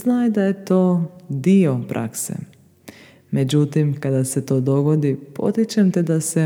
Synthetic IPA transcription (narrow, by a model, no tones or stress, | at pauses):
znaːjd̪aje̞t̪o̞ːd̪io̞pɾʔa̰ksḛ | me̞d͡ʑut̪imkad̪aset̪o̞ːd̪o̞ɡo̞d̪ipʰo̞̰t̪it͡ʃemt̪ed̪ase